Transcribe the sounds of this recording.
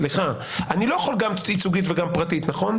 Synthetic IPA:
liχa | anilojaχolɡamt͡sit͡suɡit̪veɡampʁatit̪naχo̞n

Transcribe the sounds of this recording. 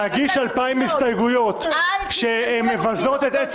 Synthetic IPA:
aɡiʃalpaimist̪ajɡujo̞t̪ʃemːevazo̞t̪et̪e

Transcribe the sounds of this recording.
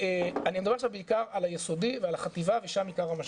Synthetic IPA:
eanimedabe̞ʃavbeikaʁalajeso̞d̪ivealaχat̪ivaveʃamikaʁamaʃ

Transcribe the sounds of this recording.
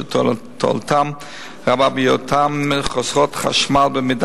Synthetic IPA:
tʰ | tʰɔ̰lˠtʰam | ʁababɪjɔtʰamːɪχɔsʁɔtχa̰ʃmalˠbəmɪd

